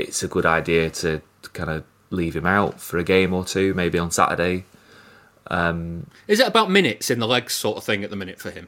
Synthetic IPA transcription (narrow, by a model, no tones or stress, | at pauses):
ɪ̰tsəɡʊɾaɪdiətʰə | kʰãɪ̃ndə | liːv̥ɪ̃maʊtfəɹəɡẽɪ̃mətʰʉːmeɪbiə̃nsa̰tə̰deɪ | ʔʌ̃mɪzɪtəbaʊʔmɪ̃ñɪtsɪ̃nðəlɛɡ̥sɔˑtəv̥θɪ̃ŋəʔ̪ðəmɪ̃ñɪtfəɪ̃m